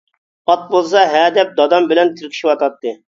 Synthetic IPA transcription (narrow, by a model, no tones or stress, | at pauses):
ɑt̪̚bolˠsɑɦɛd̪ɛp̚d̪ɑd̪ɑmbɪlɛnt̪ʰɪɾkʲʰi̥ʃiwɑt̪ɑt̪ːɨ